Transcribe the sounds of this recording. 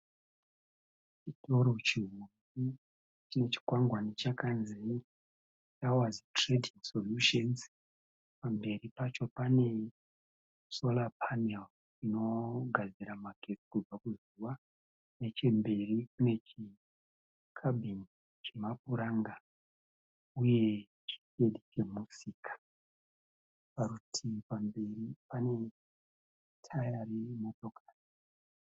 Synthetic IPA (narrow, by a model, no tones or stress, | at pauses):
t͡ʃitʰo̞ɾo̞t͡ʃiɦundi | t͡ʃine̞t͡ʃi̥kwaŋɡwanit͡ʃakanzi | t͡ʃawazitredʱiŋsoluʃonz | pambe̞ripat͡ʃo̞pane̞ | so̞lapʰanel | t͡ʃino̞ɡʱad͡ziɾamakʰesi̥kub͡vakuz | uwa | ne̞t͡ʃembe̞rikune̞t͡ʃi | kʰabʱin | t͡ʃemapuɾaŋɡa | uje̞ | t͡ʃi̥keɗit͡ʃe̞musikḁ | paɾutʰipambe̞ripane̞ | tʰajaɾimo̞to̞kḁːli